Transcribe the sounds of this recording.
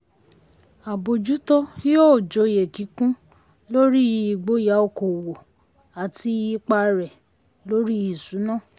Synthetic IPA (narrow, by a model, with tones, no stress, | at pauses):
a˨bo˨d͡ʒu˨˦tɔ˦ki˦ɔ˦˨d͡ʒɔ˨je˨ki˨˦kũ˦ | lo˦ɾi˦˨˦i˨ɡ͡bo˨˦ja˨˦o˧˨ko˨wo˨ | a˨ti˧i˧k͡pa˧ɾɛ˨ | lo˦ɾi˦i˨sũ˨˦nã˦˨